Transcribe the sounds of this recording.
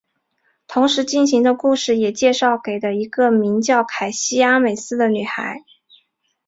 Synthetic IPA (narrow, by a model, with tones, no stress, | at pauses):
t̪ʰʊ˧˥ŋʂɻ̩˧˥t͡ɕi˥˩nɕi˧˥ŋd̪ə˧ku˥˧ʂɻ̩˥˩jɛ˨˩t͡ɕjɛ˥˧ʂɑ˥˩ʊke˨˩ɪd̪ə˦i˧˥ɡə˧mi˧˥ŋt͡ɕjɑ˥˩ʊkʰa˨˩ɪɕi˥ja˥me˨˩ɪsɹ̩˥˩d̪ə˨ny˨˩xa̰˧˥ɪ